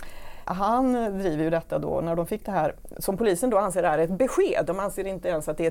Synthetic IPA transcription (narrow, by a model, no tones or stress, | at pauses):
ɦand̪ɾiːvəɾjɵd̪ɛt̪ːad̪o̰ːnæɖɔmfɪkːd̪ɛɦæːɾsɔmpʊliːsənd̪oːanseːɖɛhæːɾɛt̪̚bɛɧeːd̪ːɔmanseːɾɪnt̪əɛnsat̪̚d̪ɛæ